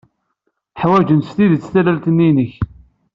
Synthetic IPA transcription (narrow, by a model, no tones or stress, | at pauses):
ħwæd͡ʒənst̪iðət͡sːθælælt̪ənːinəç